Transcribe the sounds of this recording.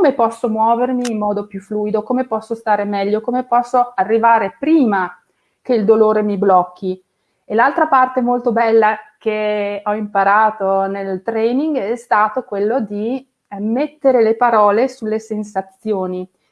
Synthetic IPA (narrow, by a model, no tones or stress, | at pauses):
komepɔsːomwɔːvermiːmːɔːd̪opjufluːjd̪okomepɔsːost̪aːɾemɛʎːokomepɔsːoarːivaːɾepɾiːma | keild̪oloːɾemiblɔkːi | elalt̪ɾapart̪emolt̪obɛlːakeɔimpaɾaːt̪onelt̪ɾɛniŋɡɛst̪aːt̪okwelːod̪i | met̪ːeɾelepaɾɔːlesulːesensat̪sjoːni